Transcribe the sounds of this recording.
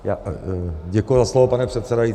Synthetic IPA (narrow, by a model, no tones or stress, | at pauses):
jaːɟɛkujuzaslovopanɛpr̥ɛt̪sɛdaji